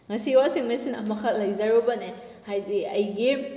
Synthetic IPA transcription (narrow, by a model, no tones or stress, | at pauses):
ŋɐsiiwasiŋmesinɐ̰mɐkʰɐlɐjzaɾobɐne | hajdiɐjɡi